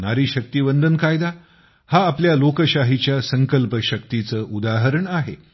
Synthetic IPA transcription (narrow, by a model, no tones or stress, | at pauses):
naɾiːɕək̚t̪iːʋənd̪ʱənkajd̪a | haːpljalokəɕaɦit͡ɕjasəŋkəlpəɕəkt̪it͡səːʔud̪aɦəɾəɳaɦe